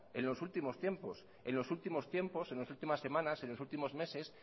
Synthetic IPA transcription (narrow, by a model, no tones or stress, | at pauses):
e̞̰nlo̞sult̪imo̞st̪je̞mpo̞s | e̞̰nlo̞sult̪imo̞st̪je̞mpo̞senlosult̪imasːe̞mãnase̞nlo̞sult̪imo̞zme̞ses